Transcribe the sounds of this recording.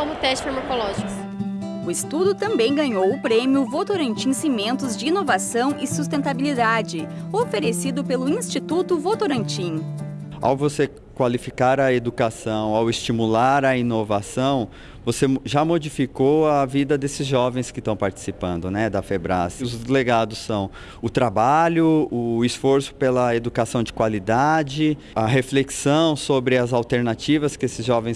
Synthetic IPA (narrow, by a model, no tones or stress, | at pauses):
õmʊt̪ɛst͡ʃfeɾmokolɔʒikʊs | ʊɪst̪ud̪ʊt̪ɐ̃mbẽj̃ɡɐ̃ɲowʊpɾemjʊvot̪oɾɐ̃nt͡ʃĩsimẽnt̪ʊzd͡ʒɪinovasɐ̃w̃ʔɪsust̪ẽnt̪abilid̪ad͡ʒɪofeɾesid̪ʊpelʊĩst͡ʃit̪ut̪ʊvot̪oɾɐ̃nt͡ʃĩ | a̰wvose | kwalifikaɾɐed̪ukasɐ̃w̃awɪst͡ʃimulaɾɐinovasɐ̃w̃ | voseʒamod͡ʒifikowɐvid̪ɐd̪esɪzʒɔvẽj̃skɪst̪ɐ̃w̃paɾt͡ʃi̥sipɐ̃nd̪ʊnɛd̪ɐfebɾa̰sʊzd̪leɡad̪ʊsːɐ̃w̃ | ʊt̪ɾabaʎʊʊisfoɾsʊ̥pelɐed̪ukasɐ̃w̃d͡ʒɪkwalid̪ad͡ʒɪ | ɐɦefleksɐ̃w̃sobɾɪɐzawt̪eɾnat͡ʃivɐskɪesɪzʒɔvẽj̃s